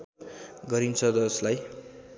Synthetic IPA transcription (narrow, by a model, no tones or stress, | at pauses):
ɡʌɾint͡sʰʌd̪ʌslaj